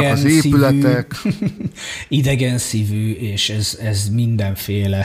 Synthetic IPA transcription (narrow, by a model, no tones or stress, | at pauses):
ɛnzesːiylɛt̪ːɛk | id̪ɛɡɛnsiːvyːeːʃɛzɛzmind̪ɛɱfeːlɛ